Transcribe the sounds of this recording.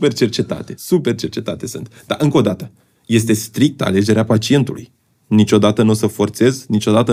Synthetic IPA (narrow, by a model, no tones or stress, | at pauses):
pe̞rt͡ʃe̞rt͡ʃe̞t̪a̰t̪e̞supe̞rt͡ʃe̞rt͡ʃe̞t̪at̪e̞sɨ̰nt̪d̪a̰ʔɨŋko̞d̪at̪ə | je̞s̬t̪e̞st̪ɾik̚t̪əa̰le̞d͡ʒe̞ɾeapat͡ʃie̞nt̪ulṵj | nit͡ʃʲo̞d̪at̪ənosəfo̞rt̪se̞znit͡ʃo̞d̪at̪ə